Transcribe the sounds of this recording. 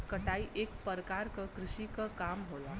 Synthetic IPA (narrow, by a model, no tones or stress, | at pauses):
kəʈaiʔekpəɾkaɾkəkɾiʃikəkamɦola